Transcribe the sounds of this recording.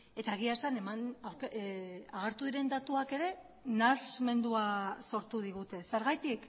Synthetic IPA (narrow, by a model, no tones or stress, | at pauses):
e̞t̪aeɣ̞iasanemanawɾkaɣ̞eɾt̪uðiɾe̞nd̪at̪uake̞ɾe̞ | nazme̞nd̪uaso̞ɾt̪uðiɣut̪e̞se̞ɾɣajt̪ik